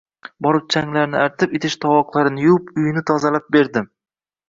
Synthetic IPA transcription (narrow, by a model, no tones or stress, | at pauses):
bɒɾɪp̚t͡ʃʰaŋlaɾnɪaɾt̪ʰɪpet̪ʰɪʃt̪ʰɒwɒqlˠaɾɪnɪjʊpʊjɪnɪt̪ʰɒzalap̚be̞ɾd̪ɪm